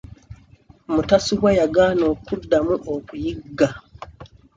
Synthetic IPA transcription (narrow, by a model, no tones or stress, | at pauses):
mutasiβwajaɡaːno̞ːkudːamuʔokujiɡːa